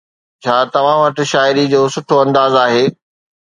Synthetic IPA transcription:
t͡ɕʰaːt̪ɐʋ̤ãʋɐʈ̆ʃaːɪɾid͡ʑoːsʊʈʰoɐ̃nd̪aːzaːɦeː

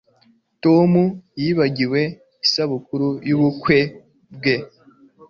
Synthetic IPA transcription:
tomujiβaɟiwe̞ | isaβukuɾujuβukwe̞ | bɡe̞

